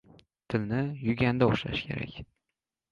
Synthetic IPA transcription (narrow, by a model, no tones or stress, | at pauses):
t̪ʰɪlnɪjʊɡʲand̪aʊχʃa̰ʃkʲʰe̞ɾa̰kʲ